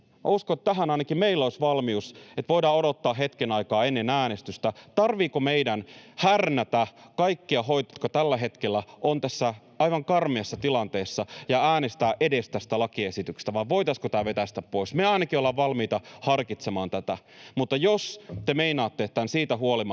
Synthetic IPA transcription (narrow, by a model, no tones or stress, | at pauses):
uskoet̪t̪æɦænɑinɑkimmeilːoisʋɑlmiuset̪ʋo̞ijdɑːodot̪ːɑːɦet̪kenɑikɑːenːenæːnest̪yst̪æt̪ɑrʋiːkomeidænhærnæt̪ækɑikːiɑɦoit̪t̪kɑt̪ælːæɦe̞t̪kelːæʔont̪æsːæ | ɑiʋɑŋkɑrmiɑsːɑt̪ilɑnt̪eːsːɑjɑæːnest̪æːʔedest̪æst̪ælɑkiesit̪ykst̪æʋɑʋʋo̞it̪ɑskot̪æːʋet̪æst̪æppoismeɑinɑkiolːɑʋʋɑlmiːt̪ɑhɑrkit̪semɑːnt̪æt̪æ | mut̪ːɑjost̪emeinɑːt̪ːeet̪ːænsiːt̪æɦuolimɑ